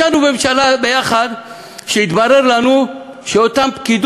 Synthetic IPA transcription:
anubemʃalabejaχad̪ | ʃeit̪baɾeɾlanu | ʃeot̪ampkid̪

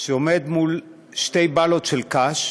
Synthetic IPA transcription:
ʃeomed̪mul | ʃtejbalo̞t̪ʃelkaʃ

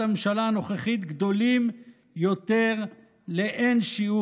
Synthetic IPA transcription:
amenʃalaːno̞χeχit̪ɡd̪o̞lim | jot̪e̞ʁ | le̞ʔenʃiu

